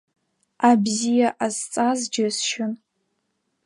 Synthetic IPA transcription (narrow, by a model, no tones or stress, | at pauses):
abzijaʔazt͡sʼazd͡ʒasʃɪn